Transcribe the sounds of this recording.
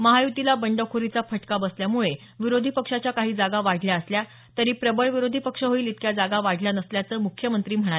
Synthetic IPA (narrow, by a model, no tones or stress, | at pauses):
məɦajut̪ilabəɳɖəʋkʰoɾit͡safəʈkabəsljamuɭe | ʋiɾod̪ʱipəkʂat͡ɕjakaɦiːd͡zaɡaʋaɽ̤ʱljaəslja | t̪əɾiːpɾəbəɭʋiɾod̪ʱipəkʂəɦoiːlit̪kjad͡zaɡaʋaɽ̤ʱljanəsljat͡səːmukʰjəmənt̪ɾiːm̤əɽ̃ae